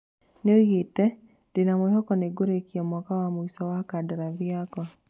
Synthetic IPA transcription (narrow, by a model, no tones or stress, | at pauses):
neoiɣetɛ | denamwhɔkɔneɡoɾekiɛmɔkawamoisɔwakadaɾaðjakɔ